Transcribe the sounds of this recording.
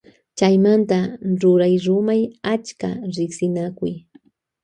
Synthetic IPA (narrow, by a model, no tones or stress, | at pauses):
t͡ʃajmant̪aɾʊɾajɾʊmajat͡ʃka̰ɾɪksɪnakʊj